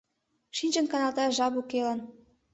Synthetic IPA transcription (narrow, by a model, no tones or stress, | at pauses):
ʃinʲt͡ɕə̆nkɑnɑlt̪ɑʒɑbukelə̆n